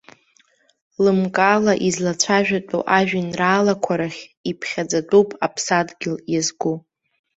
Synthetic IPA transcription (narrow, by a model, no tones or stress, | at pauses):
lɨmkʼalaʔizlat͡ɕʷʰaʒᶣatʼṵʔaʒᶣinraːlakʷʰaɾaχʲipʰχʲad͡zatʼupʼʰapʰsadɡʲɪljazɡu